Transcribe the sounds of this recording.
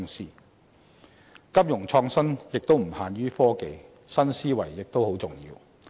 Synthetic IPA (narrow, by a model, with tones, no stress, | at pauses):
ŋsiː˥ | kɐ˥p̚jʊ˨˩ŋt͡ʃʰɔː˧ŋsɐ˥njɪ˨k̚t̪o˥wm̩˨˩haː˨˧nɥyː˥fɔː˥ke˨˧j | sɐ˥nsiː˥wɐ̰˨˩jːɪ˨k̚t̪o˥who˨˥wt͡sʊ˨˩ŋjḭː˧w